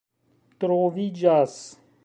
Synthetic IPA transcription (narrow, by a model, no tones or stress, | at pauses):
t̪ɾoːvid͡ʒaːs